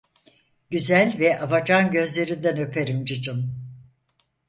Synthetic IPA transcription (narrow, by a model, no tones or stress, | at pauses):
ɟyzælʲvɛʔabad͡ʒanɟø̞zlʲe̞ɾind̪ænø̞pʰeɾimd͡ʒɯd͡ʒɯm